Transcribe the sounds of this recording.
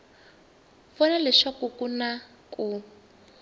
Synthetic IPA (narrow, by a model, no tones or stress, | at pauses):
fɔnalɛʃakukuna | ku